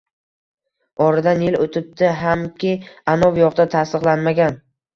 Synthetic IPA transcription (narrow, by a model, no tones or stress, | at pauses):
ɒɾad̪anjɪlot̪ʰɪp̚t̪ʰɪɦamkʲʰɪanɒvjɒqd̪at̪ʰast̪ɨqlˠanmaɡʲan